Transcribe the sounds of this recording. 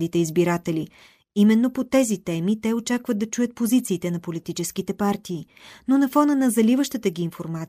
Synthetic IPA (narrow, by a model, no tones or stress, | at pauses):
d̪it̪ɛizbiɾat̪ɛli | imɛnːopot̪ɛzit̪ɛmit̪ɛot͡ʃakvəd̪d̪ɐt͡ʃujət̪̚pozit̪siːt̪ɛnɐpolit̪it͡ʃɛskit̪ɛpaɾt̪iː | nonɐfɔnənɐzɐlivəʃt̪ət̪əɡʲiːnfoɾmat̪